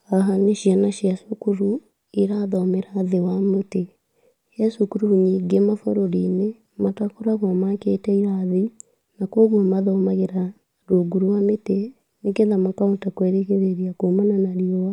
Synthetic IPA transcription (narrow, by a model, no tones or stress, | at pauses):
aɦaneʃianaʃiasokuɾu | iɾaðɔmeɾaðewamote | ɛsukuɾuuɲiːɡemafoɾoɾine | matakoɾaɣwɔmaketɛiɾaði | nakoɣwɔmaðɔmaɣeɾa | ɾoɡuɾuwamete | nekeðamakauntakwɛɾeɣeɾeɾiakomananaɾiowa